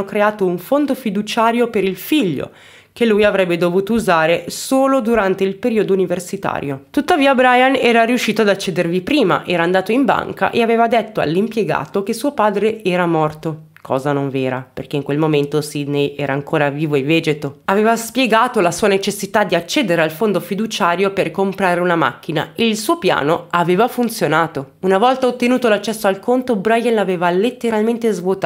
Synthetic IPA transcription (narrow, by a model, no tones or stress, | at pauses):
okɾeaːt̪ouɱfond̪ofid̪ut͡ʃaːɾjopeɾilfiʎːo̰ | kelːujavɾɛbːed̪ovuːt̪ouzaːɾesoːlod̪uɾant̪eilpeɾiːod̪ouniversit̪a̰ːɾjot̪ut̪ːaviːabɾajanɛːɾaɾiuʃːiːt̪oad̪at͡ʃːeːd̪ervipɾiːma̰ʔɛːɾaːnd̪aːt̪oimba̰ŋka̰ʔeaveːvad̪et̪ːoa̰lːimpjeɡa̰ːt̪ok̟esːuːopaːd̪ɾeʔɛːɾamɔrt̪o | kʰɔ̰ːzanoɱveːɾa̰pḛrk̟eiŋkwelmoment̪osid̪nejɛːɾaːŋkʰoːɾaviːvoevːeːd͡ʒet̪oaveːvaspjeɡaːt̪olasuːanet͡ʃesːit̪ad̪ːiat͡ʃːeːd̪eɾealfond̪ofid̪ut͡ʃaːɾjoperkompɾaːɾeunama̰kːina̰eilsuːopja̰ːnoaveːvafunt̪sjonaːt̪o | unavɔlt̪aot̪ːenuːt̪olat͡ʃːɛsːoalkont̪obɾajanlaveːvalet̪ːeɾalment̪ezvwot̪